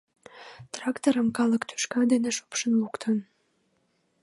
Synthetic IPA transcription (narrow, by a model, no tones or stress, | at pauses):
t̪rɑkt̪oɾəmkɑləkt̪y̥ʃkɑd̪eneʃo̥pʃənlukt̪ʰən